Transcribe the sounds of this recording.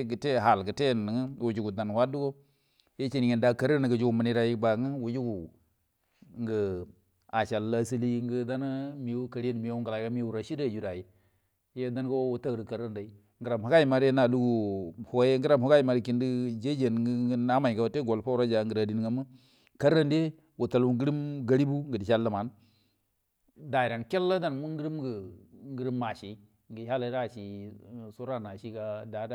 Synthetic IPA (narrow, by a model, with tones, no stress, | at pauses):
ɡə˨te˦˨ɦa˨lɡə˨te˦nə˨ŋə˦wu˨d͡ʒu˨ɡu˨da˨n˨hwa˦du˦ɡo˦ | je˦t͡ʃi˦ni˨ŋi˨nda˨˦ka˨ɾi˦n˨ɡə˨d͡ʒu˦ɡu˨mə˨ni˦ɾa˨ji˦ba˨˦ŋə˦wu˨d͡ʒu˦ɡu˨ | ŋɡə˨ | a˨t͡ʃa˨lːa˦si˦li˦ŋɡə˦da˦n˦mi˨wu˦ka˨ɾe˦n˨mi˨˦u˦ŋɡla˨˦ka˦mi˦wu˨ɾa˨ʃi˦da˦˨d͡ʒu˨ɾa˨ji˨˦ | je˦da˦n˦ko˦wu˦ta˦ɡɾi˨ka˨ɾi˦nda˨i˦ | ŋɡə˨ɾa˨mha˨ɡa˦i˨ma˨ɾna˨lu˦ɡu˨ho˨je˦ŋɡə˦ɾa˦˨mho˦ka˦i˨ma˨ɾi˦ki˨ndi˦d͡ʒe˦d͡ʒe˨n˦˨˦na˦ma˨ka˨wo˨te˦ɡo˨lpa˦u˦ɾa˦d͡ʒa˨ŋɡə˨ɾa˨di˨n˦ŋa˨mə˦ | ka˦ɾːa˦nde˦ | wo˨ta˨lwu˨ŋɡi˦ɾi˦mɡa˦ɾi˦bu˦ŋɡə˨di˨ʃa˦lːa˨ma˨n | da˨i˨ɾa˨nke˦lːa˦da˨nmu˦ɡi˦ɾi˦mɡə˨ŋɡi˦ɾi˦mːa˨ʃe˨˦ | ŋɡə˨˦ha˦la˨˦ɾa˦˨ʃi˨so˦ɾa˦˨na˨ʃi˦ka˦da˨˦da˦